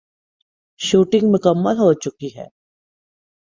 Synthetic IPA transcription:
ʃuːʈɪ̃ŋɡmʊkəmːəlɦot͡ʃʊkiɦɛ̰ː

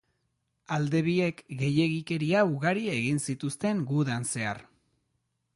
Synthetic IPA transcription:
ald̪e̞βie̞kɡe̞je̞ɣike̞ɾiauɣaɾiaeɣ̞insit̪ust̪e̞ŋɡuðanse̞a̰ɾ

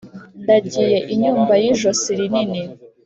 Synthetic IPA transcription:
ndaɟiːjeʔiɲuːmbajiʒosiɾinini

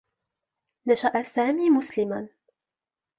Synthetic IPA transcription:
naʃaʔasaːmiːmʊslɪman

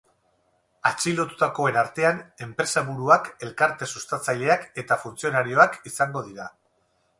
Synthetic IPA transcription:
at͡ʃilo̞t̪ut̪ako̞e̞naɾt̪e̞ane̞mpɾe̞saβuɾuake̞lkaɾt̪e̞sust̪at͡saʎe̞ake̞t̪afunt͡sio̞naɾio̞akisaŋɡo̞ðiɾa

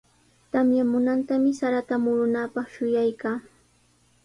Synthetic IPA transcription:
t̪amjamʊnant̪amɪsaɾat̪amʊɾʊnapɑχʃʊjajkaː

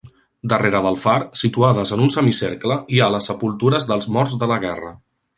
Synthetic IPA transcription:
d̪əreɾəðəlˠfaɾsit̪uaðəzənunsəmisḛɾkləialəsːəpulˠt̪uɾəzðəlˠzmɔɾzðələɣɛrə̰

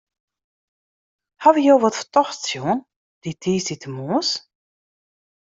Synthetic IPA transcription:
havijoːʋɔtfə̥tɔxsjon | d̥itʰiːsditəmuəs

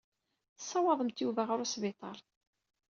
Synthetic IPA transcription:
θə̥sˤːɑwɑðˤəmt̪juvæʁɾusbit̪ˤɑlˤ

